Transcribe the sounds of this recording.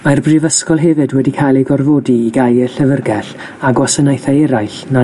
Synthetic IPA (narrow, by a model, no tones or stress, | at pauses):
marbrɨvəskɔlˠɦɛvɨdwɛdikʰajlˠejɡɔrvoːdiːɡajəɬəvərɡɛɬ | aɡwɔsənajθaɛɾajɬna